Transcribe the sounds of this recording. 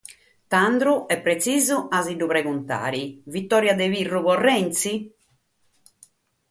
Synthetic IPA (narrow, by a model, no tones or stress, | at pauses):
t̪and̪ɾuɛpːɾet̪siːzuaziɖupɾɛɡunt̪a̰ːɾivit̪ːɔːɾjad̪ɛvirːukɔrːɛnt̪si